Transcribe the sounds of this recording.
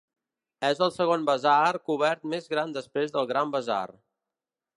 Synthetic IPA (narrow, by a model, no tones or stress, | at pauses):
ɛzəlˠsəɣonbəzarkuβ̞ɛɾt̪mezɣɾand̪əspɾezðəlˠɣɾambəza̰r